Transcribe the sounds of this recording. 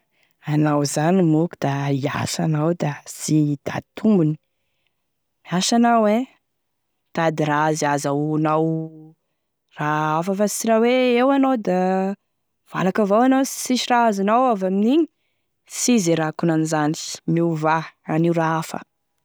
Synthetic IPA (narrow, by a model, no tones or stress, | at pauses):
anawzanimukud̪̥aia̰sanawd̪asid̪̥a̰t̪ʰumbuni̥ | miaʃanawe | t̪ad̪iɾaazazanaw | raafəfasiɾaweewanowd̪a | v̥a̰lakəvawanḁsiʃiraazanawavaminiɲi | sizeɾakunanizani̥miuvaaniwraafə̰